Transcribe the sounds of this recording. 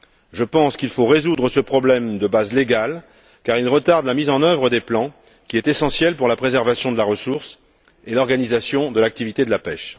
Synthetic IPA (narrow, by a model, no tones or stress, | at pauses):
ʒəpɑ̃skilfoʁezud̪ʁəsəpχɔblɛmd̪əbazleɡal | kaʁilʁət̪aʁd̪lamizɑ̃nœvʁəd̪eplɑ̃ | kʲiɛt̪esɑ̃sjɛlpuʁlapχezɛʁvasjɔ̃d̪əlaʁəsuʁs | elɔʁɡanizasjɔ̃d̪əlak̚t̪ivit̪ed̪əlapɛʃ